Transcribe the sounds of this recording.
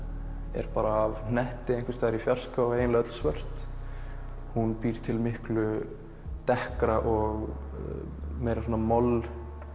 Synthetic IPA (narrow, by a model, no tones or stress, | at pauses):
ɛ̰ɾpaːɾaːvnnɛht̪ɪejnŋkvɪ̥st̪aːɛɾifjar̥skaɔeːjɪnlaœt̪l̥svœr̥t̪ | hunpiːɾ̥t̪ʰɪlmɪhklʏ | t̪ɛhkɾaʔɔɣ | mejɾaswɔːnamɔl